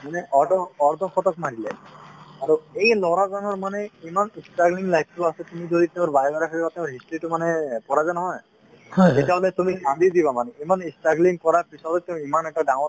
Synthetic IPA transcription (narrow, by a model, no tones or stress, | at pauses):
manɛʔɔdɔɔɹd̪ʱɔxɔt̪ɔk̚maɹilɛ̰aɹuejlɔɾazɔnɔɹmanɛimanistaɡliŋlajpʰtasɛt̪umid͡ʒod̪it̪eʊ̃ɹbajbaɾakʰaɾibat̪ẽʊ̃ɹɦistɹitʊmanɛpɔɹazanɔɦɔj | etiaɦɔlɛt̪umikamb̪id̪ibamanɛimanistaɡliŋkɔɹapisɔlɔt̪eʊ̃imanɛʈadãw̃t